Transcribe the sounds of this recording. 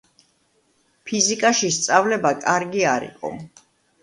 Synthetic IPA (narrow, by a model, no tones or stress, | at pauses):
pʰizikʼaʃist̪sʼavlɛbakʼaɾɡiaɾḭqʼɔ̰